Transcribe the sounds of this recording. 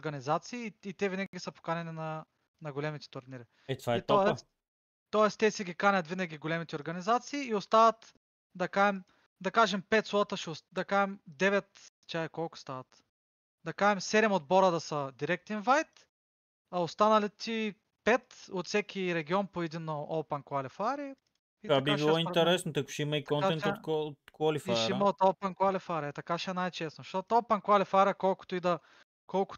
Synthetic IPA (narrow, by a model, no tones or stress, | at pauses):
ɾɡɐnʲizat̪siːt̪ɛvinɐɡiɡʲisəpo̥kanɛninɐ | nɐɡolɛmit̪ɛ̥t̪ʊɾnʲiɾi | ɛt̪at̪ɔɛs | t̪ɔɛst̪ɛsɛɡʲikanʲɐt̪vinɐɡʲiɡolʲɛmit̪ɛoɾɡɐnizat̪siːost̪avɐt̪ | d̪ɐkaɛm | d̪ɐkaʒɛmpɛt̪slˠɔt̪əʃɛosd̪ɐkaɛmd̪ɛvɛt̪ | t͡ʃaɐkɔlˠkʊ̥st̪avɐt̪ | d̪ɐkaɛmsɛɾɛmod̪̚bɔɾəd̪ɐsəd̪iɾɛk̚t̪ɛnvajt̪ | ɐost̪anɐlit̪i | pɛt̪ot̪sɛkʲiɾɛɡʲiɔnpoɛd̪inːoolˠpɛnkʊalifaɾi | it̪abiabiilˠɔint̪ɛɾɛsnot̪ɐku̥ʃimɐik̪ɔnaɛnt̪oot̪kalifiaʃimɐot̪olˠpɛnkwalifaɾiɐt̪ɐkaʃɛnajt͡ʃɛsnoʃt̪ot̪olˠpɛnkʊalifaɾʲiɐkɔlˠkʊ̥t̪oid̪ɐ | kɔlˠkʊ̥